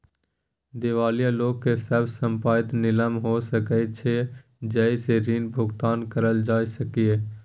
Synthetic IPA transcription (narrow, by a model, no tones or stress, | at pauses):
d̪ɪʋaːlijaloːɡkːesəbsəmpaːt̪nɪləmɦosəkəɪt̪̚t͡ʃʰe | d͡ʒəjseɾinbʱʊɡt̪aːnkəɾəld͡ʒaːjsəkie